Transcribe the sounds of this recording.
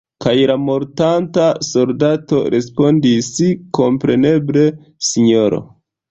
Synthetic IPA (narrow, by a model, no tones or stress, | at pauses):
kajɾamo̞ɾtantaso̞ldato̞̰ɾʔe̞spo̞ndisiko̞mpɾe̞ne̞ble̞ | siɲo̞ɾo̰